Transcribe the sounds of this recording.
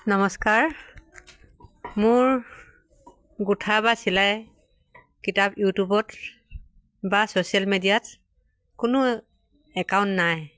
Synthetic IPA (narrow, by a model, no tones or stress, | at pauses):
nɔmɔskaɹ | mʊɹ | ɡutʰabasilaj | kitapjutubɔt | basosialmedijat̚ | kʊnʊ | ɛkaʊ̃ntnaj